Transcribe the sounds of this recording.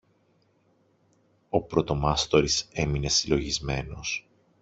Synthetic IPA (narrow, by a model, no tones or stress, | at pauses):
o̞pɾo̞t̪o̞mɐst̪o̞ɾise̞mine̞silo̞ʝizme̞no̞s